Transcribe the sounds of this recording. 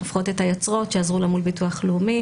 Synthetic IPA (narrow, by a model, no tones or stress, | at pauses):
afχo̞tethajot͡sʁo̞tʃeazʁulamulbituaχleumi